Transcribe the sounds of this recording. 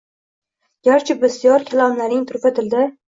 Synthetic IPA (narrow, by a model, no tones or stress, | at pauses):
ɡ̥ʲaɾt͡ʃʰɪbɪst̪jɒɾkʲʰalˠɒmlaɾnɪŋt̪ʰʊɾpʰat̪ʰɪld̪ɪ